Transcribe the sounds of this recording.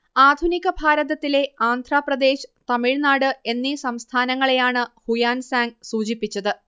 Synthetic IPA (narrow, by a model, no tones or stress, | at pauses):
aːd̪ʱuniɣɐbʱaːɾɐðɐt̪ːile̞aːnd̪ʱraːprɐd̪e̞ːɕɨ̥t̪ɐmiɻnaːɽɨe̞nːisɐmst̪ʰaːnɐŋːɐɭe̞jaːɳɨhujaːnsaːŋɡsuːt͡ɕipːit͡ɕːɐðɨ